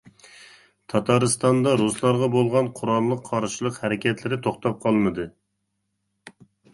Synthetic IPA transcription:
t̪ʰɑt̪ʰɑɾɨst̪ɑnd̪ɑɾuslˠɑɾʁɑbolˠʁɑnqʰʊɾɑnˠlˠəqʰːɑɾʃɪlˠəqhæɾɪkʲɛt̪lɪɾɪt̪ʰoχt̪ɑp̚qʰɑlˠmɨd̪ɨ

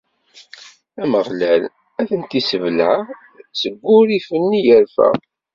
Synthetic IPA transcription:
æməʁlæl | æθənt̪isəvlʕa | t͡sːəɡʷːʊɾifənːijəɾfæ̰

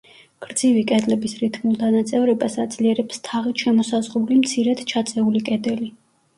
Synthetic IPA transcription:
ɡ̥ɾd̪zivikʼɛd̪lɛbisɾit̪ʰmulˠt̪ʰanat̪sʼɛvɾɛbasad̪z̥liɛɾɛpst̪ʰaʁit̪ʃɛmɔsazʁɾulimt̪sʰiɾɛd̪t͡ʃʰat̪sʼɛulikʼɛd̪ɛli

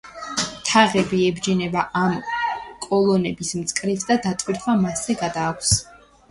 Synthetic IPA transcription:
t̪ʰaʁɛbiɛbd͡ʒinɛbaʔamkʼɔlˠɔnɛbismt̪sʼkʼɾifsd̪ad̪at̪ʼwiɾt̪ʰwamasɛɡad̪aːkʷʰs

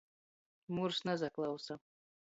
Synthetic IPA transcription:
mursnazaklˠɑwsa

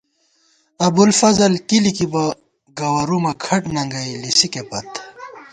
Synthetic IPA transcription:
ɐbulfɐzɐlkilikibɐ | ɡɐwɐɾumɐkʰɐʈnɐŋɡɐilisikepɐt̪

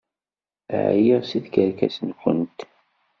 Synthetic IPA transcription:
ʕjiʁsiðkəɾkæsənkʷə̰nt̪

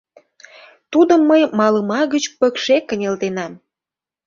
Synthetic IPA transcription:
t̪ud̪ə̆mːəjmɑləmɑɣət͡ɕpə̆kʃekːə̆nʲelt̪enɑm

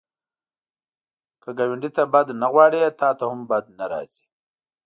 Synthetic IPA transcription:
kəɡawɪɳɖit̪abad̪naɣwɑɽet̪ɑt̪ahʊmbad̪̚naɾɑ̰zi

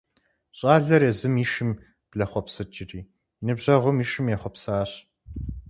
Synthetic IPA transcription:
ɕʼaːɮɐrezɨmiːʃɪm | b̥ɮɐχʷɔpsɨt͡ʃʼɪrʼiː | nɨbʑɐʁʷʊmiːʃɨmjɛχʷɔpsaːɕ

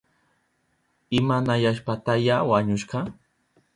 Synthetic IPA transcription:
ɪmanajaʃpat̪ajawaɲʊʃɢɑ

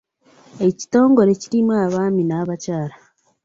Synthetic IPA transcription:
e̞ci̥to̞ːŋɡo̞ɾe̞ciɾimwaaβaːminaβacaːɾa

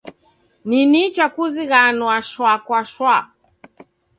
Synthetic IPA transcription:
ninit͡ʃakuziɣanwaʃwakwaʃwa

